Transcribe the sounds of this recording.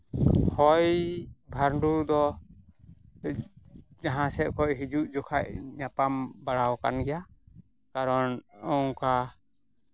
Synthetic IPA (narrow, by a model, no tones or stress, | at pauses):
hɔjbʱaɾɳɖud̪ɔ | d͡ʒaɦãsɛʔ̚kɔʔɦid͡ʒuʔd͡ʒɔkʰaʔ̚ɲapambaɽawka̰nɡɛja | kaɾɔnɔŋka